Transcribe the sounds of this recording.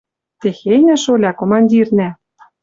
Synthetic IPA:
t̪exenʲæ̆ʃolʲɑkomɑnʲdʲirnæ

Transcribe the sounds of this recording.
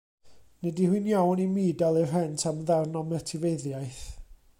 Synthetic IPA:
nɛdihwinjawnimiːdalˠirrɛntʰamðarnɔmɛtʰɪveðjajθ

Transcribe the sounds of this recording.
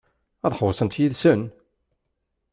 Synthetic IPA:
ɑðˤħəwəsˤənt̪jiðsən

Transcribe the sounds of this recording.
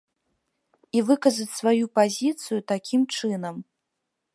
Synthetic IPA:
ivɨkɐzɐt͡sʲsvajupazʲit̪sɨjut̪akʲimt͡ʂɨnɐm

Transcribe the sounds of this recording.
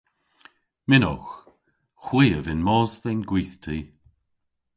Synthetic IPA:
mɪnɔx | xwiːəvɪnmɔːzðɛnɡwiːθtʰiː

